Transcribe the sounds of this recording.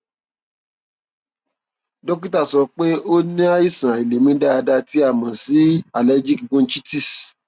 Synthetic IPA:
dɔ˦k̬i˦ta˦˨sɔ˧k͡pe˦o˦nĩ˦a˦i˦˨sã˨a˨i˨le˨mĩ˦da˦a˧da˧ti˨˦a˦˨mã˨si˨˦a˨lɛ˨˦d͡ʒi˦kɡũ˦nt͡ʃi˦ti˦˨s

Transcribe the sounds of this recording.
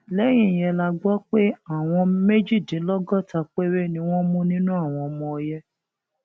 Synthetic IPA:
lɛ˦j̃ĩ˦˨jɛ˧la˧ɡ͡bɔ˦k͡pe˦a˦˨w̃ɔ̃˧me˦d͡ʒi˦˨dĩ˨˦lɔ˦ɡɔ˦˨ta˧k͡pe˦ɾe˦˨nĩ˧w̃ɔ̃˦mũ˦nĩ˦nũ˦a˦˨w̃ɔ̃˧mɔ̃˧jɛ˦

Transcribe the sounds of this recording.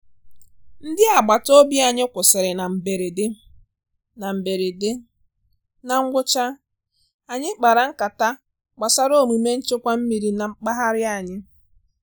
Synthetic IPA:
n̩˦dɪ˦a˨ɡ͡ba˨to˦bi˦a˨ɲɪ˦kʷʊ˨sɪ˨ɾɪ˨na˨m̩˨be˨ɾe˨dɪ˦ | na˨m̩˨be˨ɾe˨de˦ | na˨ŋ̩˦ɡʷʊ˦t͡ʃa˦ | a˨ɲɪ˦k͡pa˨ɾa˨˦ŋ̩˦ka˨ta˦ | ɡ͡ba˨sa˨ɾo˦˨mu˨me˦n̩˦t͡ʃɪ˦kʷa˦m̩˦mi˨ɾi˨˦na˨ŋ͡m̩˦k͡pa˦ɦa˦ɾɪ˦a˨ɲɪ˦

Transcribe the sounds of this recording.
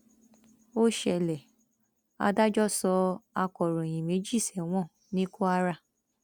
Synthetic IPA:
o˦ʃɛ˧˨lɛ˨ | a̰˧da˦d͡ʒɔ˦sɔ˧a˧kɔ˨ɾɔ˨j̃ĩ˨me˨˦d͡ʒi˦˨sɛ˨w̃ɔ̃˦˨ | nĩ˦ko˦a˧˦ɾa˧˨

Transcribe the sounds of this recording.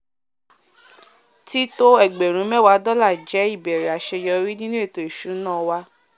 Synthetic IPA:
ti˦to˦ɛ˦˨ɡ͡bɛ˨ɾ̃ũ˨˦mɛ˦˨wa˨˦dɔ˦la˦˨d͡ʒɛ˨˦i˦˨bɛ˨ɾɛ˨a˨ʃɛ˧jɔ˧ɾi˦nĩ˦nĩ˦e˦˨to˨˦i˨ʃu˨˦nãː˦˨wa˧˦

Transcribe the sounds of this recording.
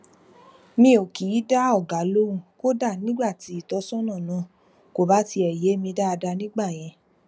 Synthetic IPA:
mĩ˧o˨ki˨˦da˦ɔ˦˨ɡa˨˦lo˦ũ˧ko˦da˦˨nĩ˦ɡ͡ba˦˨ti˨˦i˦˨tɔ˧˦sɔ̃˦nã˦˨nã˨˦˨ | ko˨ba˨˦ti˧ɛ˨je˨˦mĩ˧da˦a˧da˧nĩ˦ɡ͡ba˦˨j̃ɛ̃˧

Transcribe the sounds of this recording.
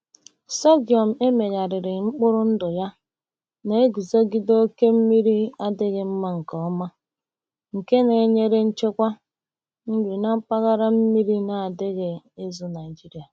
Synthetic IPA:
sɔ˦ɡjɔ˨m̩˨e˦me˨ɣa˨ɾɪ˨ɾɪ˨ŋ͡m̩˦k͡pʊ˦ɾʊ˦n̩˦dʊ˨ja˦ | ne˨e˦ɡi˨zo˦ɡi˦do˦o˦ke˦m̩˦mi˦ɾi˦a˦dɪ˦ɣɪ˨m̩˦ma˦ŋ̩˨kɔ˨ɔ˦ma˦ | ŋ̩˨ke˦ne˨˦ɲe˦ɾe˦n̩˦t͡ʃe˦kʷa˦ | ŋ̩˦ɡ͡bi˨na˦pa˦ɣa˦ɾa˦m̩˦mi˦ɾi˦na˨a˨dɪ˦ɣe˨ | e˦zu˦na˨ɪ˨d͡ʒi˦ɾi˨a˨

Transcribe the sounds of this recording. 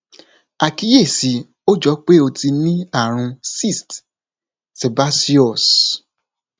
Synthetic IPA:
a˨ki˨˦je˦˨si˨˦ | o˦d͡ʒɔ˨˦k͡pe˦o˧ti˧nĩ˦a˦˨ɾ̃ũ˧si˦˨st | se˨ba˦si˦ɔ˦˨s

